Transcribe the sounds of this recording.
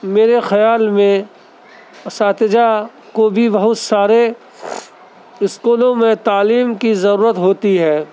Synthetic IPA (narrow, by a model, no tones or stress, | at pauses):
meːɾexɐjaːlmẽ | ɐsaːt̪ɪd͡ʒa | kobʱibɐɦʊt̪saːɾe | ɪskuːlõmẽt̪aːliːmkizɐɾuːɾət̪ɦoːt̪iɦɛː